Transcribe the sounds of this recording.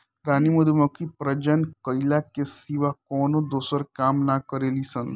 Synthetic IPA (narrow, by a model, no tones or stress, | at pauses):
ɾaːnimud̪mɔkipɾəd͡ʒənkəilakesiʋakɔːnod̪oːsəɾkaːmnakəɾeːlisən